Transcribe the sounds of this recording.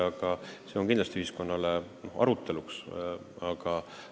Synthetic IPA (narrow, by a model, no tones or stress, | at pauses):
ɑɡ̥ɑse̞o̞nkind̪lɑst̪iyhisko̞nːɑle̞no̞hɑ̰ɾut̪ːˑe̞luks | ɑɡ̥ɑ